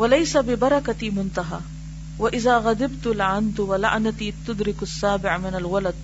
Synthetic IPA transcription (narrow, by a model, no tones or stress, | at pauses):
walajsabɪbɑɾˤɑkaimʊnt̪aɦaː | waʔɪðaːɣad̪ɪbt̪lʕand̪wala̰ʕnat̪iːt̪ʊd̪ɾɪkasːaːbɪʕmɪnalwalad̪̚